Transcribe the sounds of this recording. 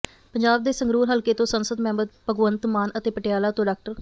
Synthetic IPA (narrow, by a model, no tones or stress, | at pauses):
pəɲd͡ʒaːb̚d̪eːsəŋɡɾuːɾɦəlkeːt̪õːsənsəd̪mɛ̃ːmbəd̪̚pəɡʋənt̪maːnʔət̪eːpəʈɪjaːlaːt̪õːɖaːk̚ʈəɾ